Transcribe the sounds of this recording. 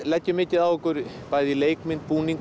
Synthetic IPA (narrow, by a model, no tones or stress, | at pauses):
lɛcːʏmɪcɪðawɔkʏɾ | pajðilejkmɪnpuːniŋk